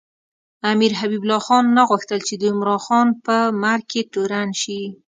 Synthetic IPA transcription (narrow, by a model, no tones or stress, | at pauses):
amiɾɦabiblɑxɑnːaɣuxt̪əlt͡ʃed̪əɪmɾɑnxɑnpəmaɾ̚keʈuɾanʃi